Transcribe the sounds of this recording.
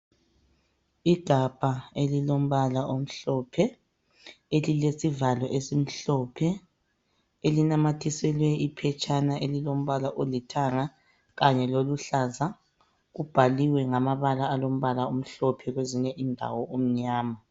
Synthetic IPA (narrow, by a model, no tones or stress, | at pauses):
iɡ̥ʱab̥ʱaelilom̩βalaʔom̩ɬɔpʰɛ | elilesivalɔʔesim̩ɬɔpʰɛ | elinamatʰisɛlwɛipʰɛt͡ʃʼanaʔelilom̩βalaʔolitʰaŋa | ɣaɲɛloluɬaːza | ɣub̥ʱaliwɛŋamaβalaːlom̩βalaom̩ɬɔpʰɛɣweziɲɛʔindʱa̰wɔom̩ɲaːma